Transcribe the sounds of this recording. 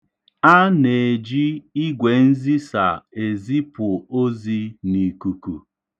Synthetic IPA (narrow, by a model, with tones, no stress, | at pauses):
a˦ne˨e˨d͡ʒi˦i˦ɡʷe˨n̩˦zi˦sa̰˨e˨zi˦pʊ˨o˦zi˦ni˨ku˨ku˨